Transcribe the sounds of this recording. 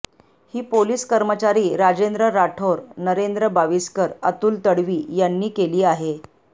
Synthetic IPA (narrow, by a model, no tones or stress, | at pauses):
hiːpoliːskəɾmət͡ɕaɾiːɾad͡ʑend̪ɾəɾaʈʰoɾnəɾend̪ɾəbaʋiskəɾa̰t̪uːlt̪əɽʋiːjanːiːkeliːaɦe